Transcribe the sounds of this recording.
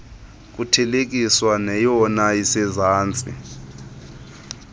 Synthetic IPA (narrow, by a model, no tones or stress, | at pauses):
k̬ʼutʰɛlek̬ʼiswanɛjɔnajisɛzaːnt͡sʼḭ